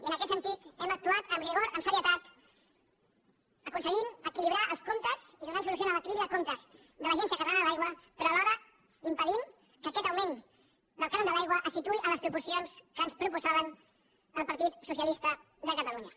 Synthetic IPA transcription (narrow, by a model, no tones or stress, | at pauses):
iənəkɛt̪sənt̪it̪ɛmək̚t̪uat̪əmriɣoɾəmsəɾiət̪at̪ | əkunsəɣiməkiliβ̞ɾaʔəlˠskomt̪əziðunɛms̬ulusjonaələkiliβiðəkomt̪əz | d̪ələʒɛnsijəkət̪lanðəlajɣwəpɾɔəlɔɾə | impəðim | kəkɛt̪əwmen | d̪əlˠkanond̪əlajɣwəʔəsit̪uiʔələspɾupuɾsionskəːnspɾupuzaβən | əlˠpəɾt̪it̪sus̬iəlist̪ə | d̪əkət̪əluɲə